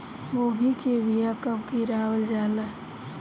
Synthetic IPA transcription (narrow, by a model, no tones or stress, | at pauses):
ʋoːbʱikebijakəbkiɾaːwəld͡ʒaːla